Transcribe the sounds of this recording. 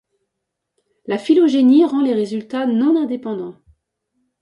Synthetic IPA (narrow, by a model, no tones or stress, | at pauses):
lafiloʒeniʁɑ̃leʁezylt̪anɔ̃nɛ̃d̪epɑ̃d̪ɑ̃